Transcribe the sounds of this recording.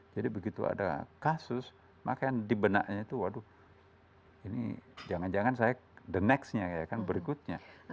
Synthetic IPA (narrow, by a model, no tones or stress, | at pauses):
d͡ʒadibəɡit̪ua̰da̰kasʊs | ma̰kajaŋdibəna̰ʔɲait̪uwadu | inḭd͡ʒaŋand͡ʒaŋansajadənɛksɲakajakanbəɾikʊt̪̚ɲa